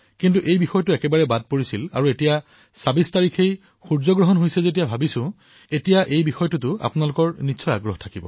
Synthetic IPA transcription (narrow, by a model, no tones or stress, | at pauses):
kintuʔejbixɔjɔtʊɛkɛbaɹɛbad̚poɹisila̰ɹuetija | sabistaɹikʰej | xuɹzɔɡɹɔɦɔnɦojsɛzet̬ijabʱabisʊ̃ | etijaʔejbixɔjɔtutʊa̰pʊnalʊkɔɹnitsʰɔja̰ɡɹɔɦtʰakibɔ̰